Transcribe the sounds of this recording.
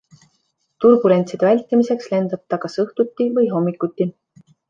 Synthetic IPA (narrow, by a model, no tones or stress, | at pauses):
t̪urɡ̥uɾe̞nʲt̪sid̪̥evælʲt̪ːˑimise̞ksle̞nd̪̥ɑt̪ˑːɑkɑsɤht̪ut̪ʲːivɤjɦo̞mːikːˑut̪ʲˑːi